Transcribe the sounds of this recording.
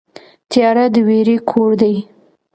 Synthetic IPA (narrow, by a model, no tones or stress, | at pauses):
t̪jɑɾad̪əweɾekʰoɾd̪aj